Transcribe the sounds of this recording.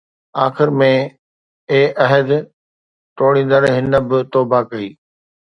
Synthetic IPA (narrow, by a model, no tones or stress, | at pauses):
aːxɪɾmẽ | eːʔɐɦəd̪ | ʈoːɽ̃ĩːn̆d̪əɾɦɪnə̆bɪt̪oːbakɐiː